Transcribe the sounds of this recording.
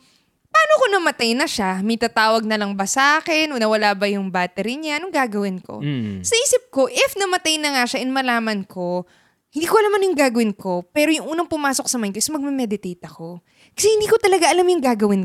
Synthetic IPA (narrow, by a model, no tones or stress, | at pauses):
pɐaːnokonɐmɐt̪ajnɐʃamɐjt̪aːt̪aːwɐɡ̚nɐlɐŋbɐsaːkɛnʔonɐwɐlaːbɐjʊŋbaːt̪ɛɾiɲanʊŋɡaːɡɐwɪnko̰sɐʔiːsɪp̚ko̞ʔɪfnɐmɐt̪ajnɐŋaʃɐʔɪnmɐlaːmɐnkʰo̞ | hɪnd̪iːkoɐlamɐnjʊŋɡaːɡɐwɪnkʰo̞pɛːɾojʊŋʔuːnɐŋpʊmaːso̞k̚sɐmajnkoʔɪsmɐɡ̚mɛmɛd̪ɪt̪ejt̪ɐko̞ | kɐ̥sɛhɪnd̪iːko̞t̪ɐlɐɡaʔɐlamjʊŋɡaːɡɐwɪn